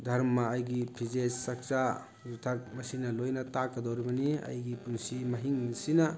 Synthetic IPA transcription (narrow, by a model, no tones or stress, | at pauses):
dʱɐɾmmɐːjɡipʰizesːak̚t͡ʃa | zutʰat̚mɐsinɐlojnɐtakːɐdawɾibɐnia̰jɡipunsimɐɦiŋsinɐ